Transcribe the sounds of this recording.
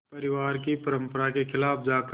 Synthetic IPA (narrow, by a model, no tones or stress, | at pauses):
pəɾɪʋaːɾkipəɾə̃mpəɾakexʰɪlaːpd͡ʒaːk